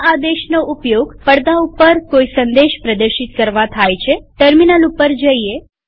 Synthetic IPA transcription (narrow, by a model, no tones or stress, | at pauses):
ad̪eʃnoʔupjoɡpəɽd̪aupəɾkoisənd̪eʃpɾəd̪əɾʃit̪kəɾʋat̪ʰajt͡ʃʰeʈəɾminalupəɾd͡ʒəie